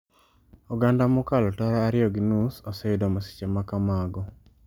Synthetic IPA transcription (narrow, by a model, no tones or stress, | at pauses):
uɡandamʊkalɔtɔɾaːɾɪjɔɡinusɔsɛidɔmasi̥t͡ʃemakamaɡɔ